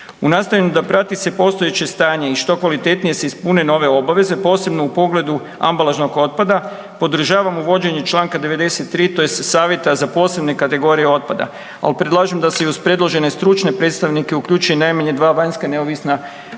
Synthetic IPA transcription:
unaːst̪ajʲenud̪apɾat̪isepo̞st̪o̞je̞t͡ɕe̞st̪aːɲe̞iʃt̪o̞kʋalit̪e̞t̪nijese̞ispuneno̞ʋe̞o̞baʋe̞ze̞po̞ːse̞bno̞upo̞ɡle̞d̪u | a̰mbalˠaʒno̞ɡo̞t̪̚pad̪a | po̞d̪ɾ̩ʒaːʋamuʋo̞d͡ʑe̞ɲut͡ʃlˠaːŋkad̪e̞ʋe̞d̪e̞se̞t̪ːɾiːt̪o̞jesesaːʋje̞t̪azapo̞ːse̞bne̞kat̪e̞ɡo̞ɾijeo̞t̪̚pad̪a̰ | a̰lpɾed̪lˠaːʒemd̪aseuspɾe̞d̪lˠoʒe̞ne̞st̪ɾut͡ʃne̞pɾe̞t̪st̪aʋnike̞ukʎuːt͡ʃujenajmaɲed̪ʋaːʋaɲskane̞oʋisna

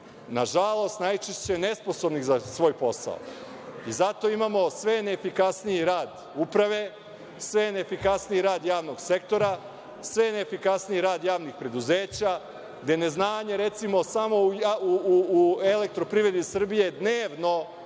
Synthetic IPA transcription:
naʒalˠo̞st̪najt͡ʃest͡ɕene̞spo̞so̞bniɣzasʋo̞ːjpo̞sa̰o̰ | izat̪o̞imaːmo̞sʋe̞neːfikasnijiɾaːd̪ | upɾaʋe̞ | sʋe̞nefikasnijiɾaːd̪jaːʋno̞ɡse̞kt̪o̞ɾa | sʋe̞neːfikasniiɾaːd̪jaːʋnixpɾe̞d̪uzeːt͡ɕa | ɡd̪ene̞znaːɲe̞ɾe̞t̪simo̞samo̞ujauuuele̞k̚t̪ɾo̞pɾiʋɾe̞d̪isr̩bije̞d̪neːʋno̞

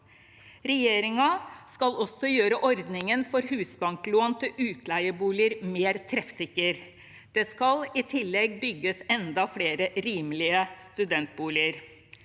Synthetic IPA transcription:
ɾɛjeːɾɪŋɑskɑlɔsːɔjøːɾəʔɔɾd̪nɪŋənfɔɾhʉːsbɑŋkloːnt̪ʰɪlʔʉːt̪ʰlæɪəbuːlɪəɾmeːɾt̪ʰɾɛfsɪkːəɾ | d̪̥eːskɑlɪt̪ʰɪlːɛɡbʏɡːəsɛnd̪ɑfɽeːɾəɾiːmlɪəst̪ʉd̪ɛnt̪̚buːlɪəɾ

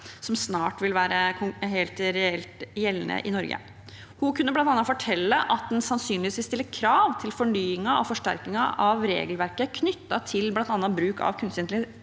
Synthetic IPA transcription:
sɔmsnɑːʈʋɪlʋæːɾəɦeːlt̪ɾɛɛlt̪jɛlnə̰ʔɪnɔɾɡə̰ | hʊkʰʉnːəblɑnt̪ɑnːɑfɔʈʰɛlːəʔɑt̪̚d̪ɛnsɑnsyːnlɪʋisʋiːst̪ɪlːəkʰɾɑːʋt̪ʰɪlfɔɳyːɪŋɑʔɔfɔʂʈæ̰ɾkɪŋɑʔɑʋɾḛːɡəlʋæɾkəkʰnʏt̪ːɑt̪ʰɪlblɑnt̪ɑnːɑbɾʉːkʰɑ̰ʋkʰʉnst̪ɪnlɪ

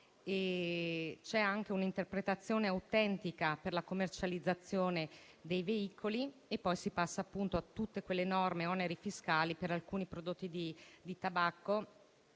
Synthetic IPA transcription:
e | t͡ʃɛaŋk̟eunint̪erpɾet̪at̪sːjoːneawt̪ɛnt̪ikaperlakomːert͡ʃalid̪zːat̪sːjoːne | d̪ejveikʰoliepːɔjsipasːaːpːunt̪oat̪ːut̪ːekwelːenɔrmeɔneɾefiskaːlipeɾalkuːnipɾod̪ot̪ːid̪id̪it̪abakːo

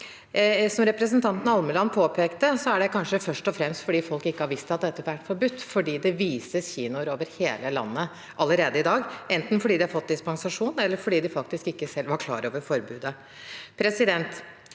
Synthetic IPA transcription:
sɔmɾɛpɾəsənt̪ʰɑnt̪n̩ɑlməlɑnːpʰoːpʰeːkt̪əsɔæɖɛkʰɑnʂəfœʂʈɔfɾɛmst̪fɔɖiːfɔlkɪkːəhɑɾʋɪst̪ɑt̪̚d̪ɛt̪ːəʋæʈːfɔɾbʉt̪ːfɔɖiːd̪ɛʋiːsəsçiːnʊɾoːʋəɾheːləlɑ̰nːə | ʔɑləɾeːd̪əɪd̪ɑːɡɛnt̪n̩fɔɖiːd̪ɪhɑɾfɔt̪̚ːd̪ɪspɑŋsɑʂuːnɛlːəɾfɔɖiːd̪ɪfɑkt̪ɪskɪkːəsɛlʋɑɾkʰlɑ̰ːɾo̰ːʋəɾfɔɾbʉːd̪ə | pʰɾɛsɪd̪ɛnt̪

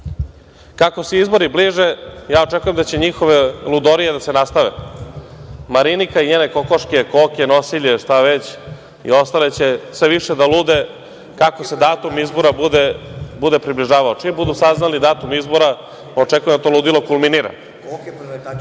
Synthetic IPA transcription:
kako̞seizbo̞ɾibliːʒe̞jaːo̞t͡ʂekujemd̪at͡ɕe̞ɲixoʋe̞lud̪oɾijed̪ase̞nast̪aʋḛ | maɾinikaiɲeːne̞ko̞koʃke̞koːke̞no̞siʎeʃt̪aʋet͡ɕ | ḭo̞st̪ale̞t͡ɕe̞sʋeʋiʃed̪aluːd̪e | kako̞se̞d̪aːt̪umizbo̞ɾaud̪ebud̪e̞pɾibliʒaːʋaot͡ʂibud̪usaznalid̪aːt̪umizbo̞ɾa | ot͡ʂekujemd̪at̪oːluːd̪ilo̞kulˠminiɾa̰

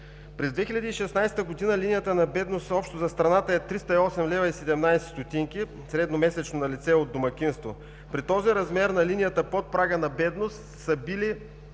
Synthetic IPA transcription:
pɾɛzd̪vɛxilʲɐd̪iːʃɛsnajst̪əɡod̪inəlinijət̪ənɐbɛd̪nost̪ɔpʃt̪ozɐst̪ɾɐnat̪əɛt̪ɾist̪əiɔsɛmlɛvɐisɛd̪ɛmnajsɛ̥st̪ot̪iŋkʲi | sɾɛd̪nomɛsɛt͡ʃnonɐlit̪sɛod̪ːomɐkʲinst̪vo | pɾit̪ɔziɾɐzmɛɾnɐlinijət̪əpot̪̚pɾaɡənɐbɛd̪nost̪ | səbili

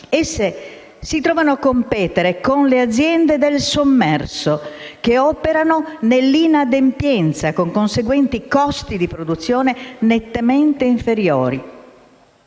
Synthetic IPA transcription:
esːe | sit̪ɾɔːvanoakːompɛːt̪eɾekonlead̪zjɛnd̪ed̪elsomːɛrsokeɔːpeɾanonelːinad̪empjɛnt̪sakoŋkonseɡwɛnt̪ikɔst̪id̪ipɾod̪ut̪sːjɔːnenet̪ːement̪eiɱfeɾjɔːɾi

